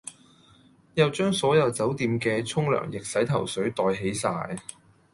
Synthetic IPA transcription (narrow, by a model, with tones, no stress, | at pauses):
jɐ˨wt͡ʃœː˥ŋsɔː˨˥jɐ˨˧wt͡sɐ˨˥wt̪iː˨˧mkɛː˧t͡sʰʊ˥ŋlœ̰ː˨˩ŋjɪ˨k̚sɐ˨˥jt̪ʰɐ̰˨˩wsɵ˨˥ɥt̪ɔː˨˧jɦe˨˥jsaː˧j